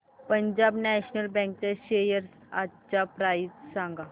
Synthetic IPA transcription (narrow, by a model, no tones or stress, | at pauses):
pəɲd͡ʑabnɛɕnəlbɛ̃ŋk̚t͡ɕaɕejəɾsat͡ɕapɾajtsãŋɡa